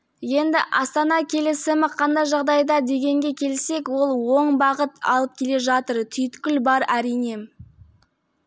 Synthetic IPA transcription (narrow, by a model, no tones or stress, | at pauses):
je̞nd̪ɪʔɑst̪ɑnɑkʲʰe̞lɪsɪmɪqʰɑnd̪ɑjʒɑʁd̪ɑjd̪ɑd̪e̞ɡʲe̞ŋɡʲe̞kʲʰe̞lse̞kwo̞lˠwo̞ɴbɑʁət̪ɑ̰lˠəp̚kʲʰe̞le̞ʒɑt̪əɾt̪ʰʏjɪt̪kʲɪlbɑɾæɾijne̞